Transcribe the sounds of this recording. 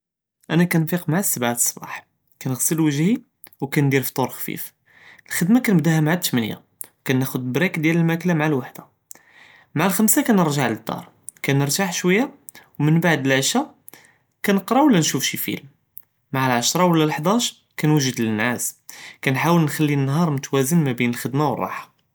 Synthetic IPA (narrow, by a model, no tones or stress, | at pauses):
ʔænækænfiqmaʕasːəbʕt̪sˤbɑ̰ħ | kænəɣsəlwəʒhi | wkænd̪iɾft̪ˤuɾxfḭf | əlxəd̪makænəbd̪æhæmʕat̪ːmənja̰ | wkænːæxʊd̪bɾækd̪jæləlmæklamʕalwaħd̪a | maʕalxəmsakænəɾˤʒaʕləd̪ːɑ̰ɾˤ | kænəɾˤt̪aħʃwəjːa | wmənbaʕd̪əlʕəʃa | kænəqɾˤɑwəlːænʃufʃifḭlm | maʕalʕaʃɾˤɑwəlːælħd̪æʃ | kænwəʒəd̪lənːæskænħawəlnxælːinːɦɑɾˤmʊt̪wæzənmæbinəlxəd̪mawə̰rˤːɑ̰ħḁ